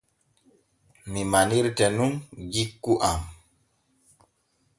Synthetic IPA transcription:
mimaniɾtɛnunɡikːuʔam

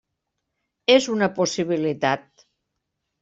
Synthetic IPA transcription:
ezunəposiβ̞ilit̪at̪̚

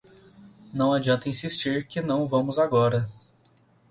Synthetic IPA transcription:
nɐ̃w̃ad͡ʒiɐ̃nt̪ɐĩsist͡ʃiɾkɪnɐ̃w̃vɐ̃mʊzaɡɔɾɐ

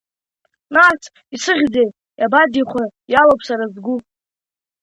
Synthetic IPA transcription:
nat͡sʰʼ | isɨʁʲd͡zej | jʔabadiχʷajalopʰsaɾazɡʷʊ

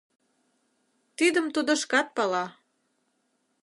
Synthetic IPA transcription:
t̪id̪əmt̪ud̪ə̆ʃkɑt̪̚pɑlɑ

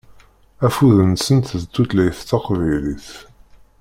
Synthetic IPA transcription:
æfuðənsənt̪ðd̪ut̪læjθt̪ːɑqvæjliθ

